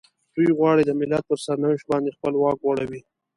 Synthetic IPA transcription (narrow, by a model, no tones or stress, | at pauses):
d̪̥ujɣwɑɽid̪əmɪlat̪̚pəɾsaɾnawɪʃt̪̚bɑnd̪expəlwɑkwaɽawi